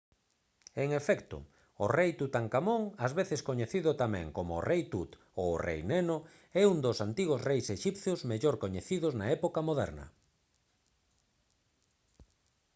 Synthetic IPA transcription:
eŋefɛkt̪ʊ̰ | orejt̪ut̪aŋkamoŋazβeθeskoɲeθiðʊt̪amɛ̰̃ŋkomo̰ːrʔejt̪ut̪ | oːrḛjneno | ɛund̪osant̪iɣ̞ʊsrejseʃipθjozmeʎoɾkoɲeθiðʊznaɛpokamoðɛ̰ɾnɐ̰

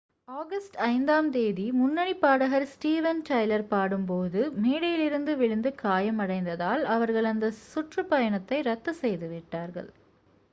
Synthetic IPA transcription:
aːɣɐsʈɐɪnd̪aːmt̪eːðimʊnːɐɳipːaːɽɐɣɐɾsʈiːʋɐnʈɐjlɐɾpaːɽɯmpoːðɯmeːɽɐjɪlɪɾɯnd̪ɯʋɪɭɪnd̪ɯkaːjɐmɐɽɐɪnd̪ɐðaːlɐʋɐɾɣɐɭɐnd̪ɐsʊʈrɯpɐjɐɳɐt̪ːɐɪɾɐt̪ːɐsɛjðɯʋɪʈːaːɾɣɐ̰ɭ

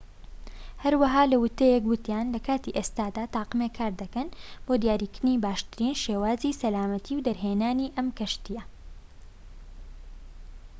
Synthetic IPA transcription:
hɐɾwɐɦaːlɐwʊt̪ːejekwɨt̪jaːnlɐkʰaːt̪iʔeːst̪aːd̪aːt̪aːqɨmekʰaːɾd̪ɐkɐnb̥oːd̪jaːɾiːkɪɾɨniːbaːʃt̪ɨɾiːnʃeːwaːziːsɐlaːmɐt̪ʰiːwd̪ɐɾɦeːnaːniːʔɐmkɐʃt̪ijɐ

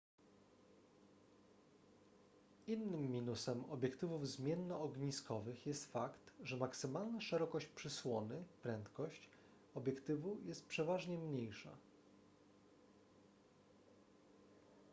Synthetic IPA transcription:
inːɘmːʲinusɛmɔ̰bʲjɛkt̪ɘvuvzmʲjɛnːɔːɡɲiskɔvɘxjɛst̪fakt̪ʐɛmaksɘmalnaʂɛɾɔkɔɕt͡ɕpʂɘswɔnɘpɾɛnt̪kɔɕt͡ɕ | ɔbʲjɛkt̪ɘvujɛst̪̚pʂɛvaʐɲɛmɲejʂa̰

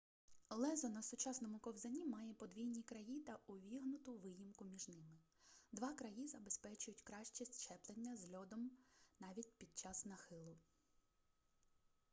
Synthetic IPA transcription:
lˠɛzɔnɐsʊt͡ʃɑsnɔmʊkɔwzɐnʲimɑjɛpɔd̪ʋʲijnʲikɾɐjit̪ɐʊʋʲiɦnʊt̪ʊʋɪjimkʊmʲiʒnɪmɪ | d̪ʋɑkɾɐjizɐbespɛt͡ʃʊjʊtʲkɾɑʃt͡ʃisʲt͡ʃɛplˠenʲːɐzlʲɔd̪ɔmnɑʋʲitʲpʲid̪̚t͡ʃɑsnɐxɪlˠʊ

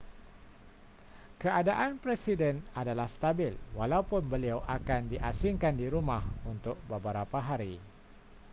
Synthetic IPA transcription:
kəʔadaʔanpɾesidɛnadalahst̪abɪlwalaupʊnbəliawʔakandiʔasiŋkandiɾumahunt̪ʊk̚bəbəɾapaɦaɾi

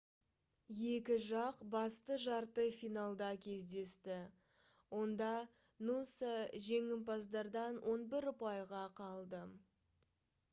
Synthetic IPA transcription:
je̞kʲɪʒɑqbɑst̪əʒɑɾt̪əfijnalˠd̪ɑkʲʰe̞zd̪e̞st̪ɪ | wo̞nd̪ɑ | nusəʒe̞ŋɪmpɑzd̪ɑɾd̪ɑnwʔo̞nbɪɾʊpɑjʁɑqʰɑlˠd̪ə

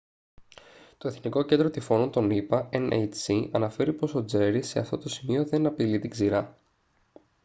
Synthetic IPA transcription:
t̪oe̞θniko̞ce̞nd̪ɾo̞t̪ifo̞nont̪o̞nipɐenḛjt͡siʔɐnɐfe̞ɾipo̞so̞d͡ze̞ɾise̞ɐ̰ft̪o̞t̪o̞simio̞ðe̞nɐpilit̪iɡziɾɐ

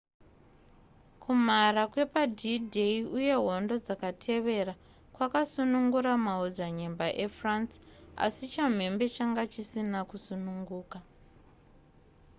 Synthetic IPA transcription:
kʰum̤arakwe̞padʱidʱeiuje̞ɦo̞ndo̞d͡zakatʰe̞ʋe̞ra | kwakasunuŋɡuɾamaud͡zaɲe̞mbaʔe̞fransa̰sit͡ʃam̤e̞mbe̞t͡ʃaŋɡat͡ʃisinakusunuŋɡuːka

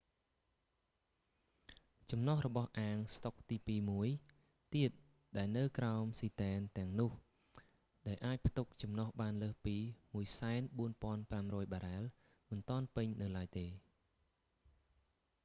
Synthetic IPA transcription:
t͡ɕɑmnɔhrɔɓɑhʔaːŋst̪ok̚t̪iːpiːmuəj | t̪iət̪̚ | ɗaɛlnɨwkraɔmsiːt̪aɛnt̪ɛ̆əŋnʊ̆əh | ɗaɛlʔaːc̚pʰt̪uk̚t͡ɕɑmnɑhɓaːnləːhpiːmuəjsaɛnɓuənpŏənpramrɔːjɓaːɾaɛl | mɨnt̪ŏənpɨɲnɨwlaəjt̪eː

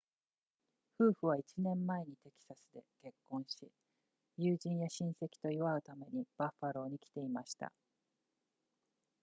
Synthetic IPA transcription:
ɸɯ̟ːɸɯ̟β̞ait͡ɕinẽ̞mːae̞ɲ̟it̪e̞kʲi̥sasɨd̪e̞̰ke̞kːõ̞ɰ̃ɕi | jɯːʑĩɰ̃jaɕĩɰ̃se̞kʲi̥t̪o̞iβaɯ̟t̪ame̞ɲ̟ib̥aɸaɾo̞ːɲ̟ikʲi̥t̪e̞imaɕi̥t̪a̰

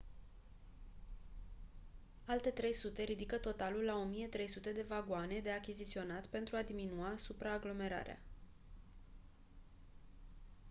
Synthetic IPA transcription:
alt̪e̞t̪ɾe̞jsut̪e̞ɾid̪ikət̪o̞t̪alulːao̞mije̞t̪ɾe̞jsut̪e̞d̪e̞vaɡoane̞d̪e̞akʲizit̪sio̞nat̪pe̞nt̪ɾuad̪iminuasupɾaːɡlo̞me̞ɾa̰ɾea̰

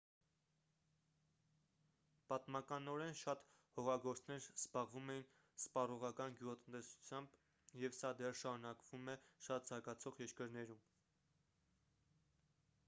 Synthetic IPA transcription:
pɑt̪mɑkɑnɔɾɛnʃɑt̪ | hɔʁɑɡɔɾt͡sʰnɛɾz̥bɑʁvumɛjin | z̥pɑrɔʁɑkɑnɡjuʁɑt̪ənt̪ɛsu̥t͡sʰjɑmb | jɛvsɑd̪ɛrʃɑɾunɑkvumɛʃɑt̪zɑɡɑt͡sʰɔʁjɛɾkəɾnɛɾum

